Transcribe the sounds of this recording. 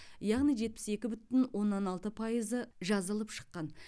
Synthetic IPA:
jɑʁnijʒe̞t̪̚pɪ̥se̞kʲɪbʏt̪ɪnwʔo̞nːɑnɑlˠt̪əpʰɑjəzəʒɑzəlˠəpʃə̥qːɑn

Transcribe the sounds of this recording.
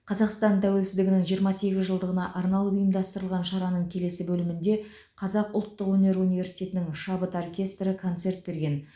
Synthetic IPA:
qʰɑzɑqst̪ɑnt̪ʰæwe̞lsɪzd̪ɪɡʲɪnɪŋʒijəɾmɑse̞ɡʲɪzʒəlˠd̪əʁənɑʔɑɾnɑlˠʊjəmd̪ɑst̪əɾəlˠʁɑnʃɑɾɑnəɴkʲʰe̞le̞sɪbɵlɪmɪnd̪e̞ | qʰɑzɑqʊlˠt̪ːəqwɵne̞ɾunijve̞rsi̥jt̪ʲe̞t̪ɪnɪŋʃɑbət̪orkʲe̞st̪rəkʰo̞nt̪se̞ɾt̪̚be̞ɾɡʲe̞n

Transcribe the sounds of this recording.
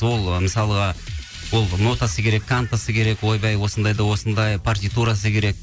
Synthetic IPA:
wo̞lˠməsɑlˠəʁɑ | wo̞lˠno̞t̪ɑsəkʲʰe̞ɾe̞kʰːant̪asəkʲʰe̞ɾe̞kwo̞jbɑjwo̞sənd̪ɑjd̪ɑwo̞sənd̪ɑjpʰart̪ijt̪uɾas̬əkʲʰe̞ɾe̞k̚

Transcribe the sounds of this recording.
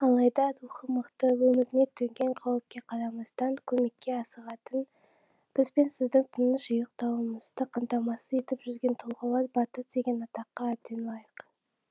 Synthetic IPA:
ɑlˠɑjd̪ɑɾuχəməqt̪əwɵmɪɾɪne̞t̪ʰːɵŋɡʲe̞ɴqʰɑwəp̚kʲe̞qʰɑɾɑmɑst̪ɑŋkʲʰɵme̞kʲːe̞ɑsəʁɑt̪ən | b̥ɪzbe̞nsɪzd̪ɪŋt̪ʰənəʃʒʊjəq̚t̪ɑwəməzd̪əqʰɑmt̪ɑmɑsəe̞t̪ɪpʒʏzɡʲe̞nt̪ʰʊlˠʁəlˠɑɾbɑt̪ət̪d̪e̞ɡʲe̞nɑt̪ɑqːɑːb̚d̪e̞nlˠɑjəq

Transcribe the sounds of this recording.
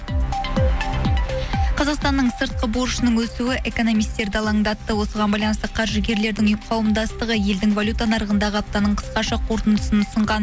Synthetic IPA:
qʰɑzɑqst̪ɑnːəɴsəɾt̪̚qəboɾʃənəŋwɵsuwɪʔe̞ko̞no̞mijst̪e̞ɾd̪ɪɑlˠɑŋd̪ɑt̪ːəwo̞səʁɑnbɑjlˠɑnst̪əqʰɑɾʒəɡʲe̞ɾle̞ɾd̪ɪŋqʰɑwəmd̪ɑst̪əʁəje̞ld̪ɪŋvalʲut̪ɑnɑɾəʁənd̪ɑʁəɑp̚t̪ɑnəɴqʰə̥sqɑʃɑqʰo̞ɾt̪ənd̪əsənʰʊsəɴʁɑn

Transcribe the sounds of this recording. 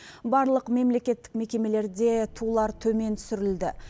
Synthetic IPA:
bɑɾlˠəqme̞mle̞kʲe̞t̪ːɪ̥kme̞kʲe̞me̞le̞ɾd̪e̞t̪ʰulˠɑɾt̪ʰɵme̞nt̪ʰʏ̥sʏɾɪld̪ɪ

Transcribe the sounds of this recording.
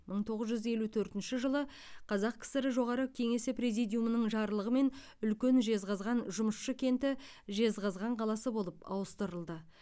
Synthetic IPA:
məɴt̪ʰo̞ʁəzʒʏze̞lut̪ʰɵɾt̪ɪnʃɪʒəlˠə | qʰɑzɑqkʲʰɪ̥sɪɾɪʒo̞ʁɑɾəkʲʰe̞ŋe̞sɪpɾezijd̪ijumənəɴʒɑɾəlˠəʁəme̞n | ʏlkʲe̞nʒe̞zʁɑzʁɑnʒʊməsʃəkʲʰe̞nt̪ɪ | ʒe̞zʁɑzʁɑɴqʰɑlˠɑsəbo̞lˠəpɑ̰wəst̪əɾəlˠd̪ə

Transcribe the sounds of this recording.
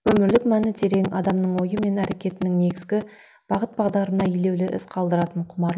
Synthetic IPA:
wɵmɪɾlɪkmænɪt̪ʰe̞ɾe̞ŋɑ̰d̪ɑmnəɴwo̞jəme̞næɾe̞kʲe̞t̪ɪnɪŋne̞ɡʲɪzɡʲɪ | b̥ɑʁət̪̚bɑʁd̪ɑɾənɑijle̞wlɪʔɪsqʰɑlˠd̪əɾɑt̪əɴqʰʊmɑɾlˠ

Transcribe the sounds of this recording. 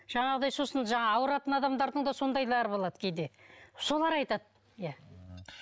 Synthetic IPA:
ʒ̥ɑɴɑʁəd̪ɑjso̞sənʒɑɴɑːwəɾɑt̪ənɑd̪ɑmd̪ɑɾd̪əɴd̪ɑso̞nd̪ɑjlˠɑɾəbo̞lˠɑd̪əkʲʰejd̪e̞so̞lˠɑɾɑjt̪ɑd̪ | jæ

